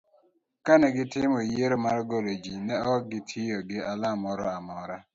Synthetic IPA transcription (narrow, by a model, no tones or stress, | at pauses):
kanɛɡɪtɪmɔjeɾomaɾɡolod͡ʒinɛɔk̚ɡɪtʰijoɡɪʔalamɔɾɔamɔɾa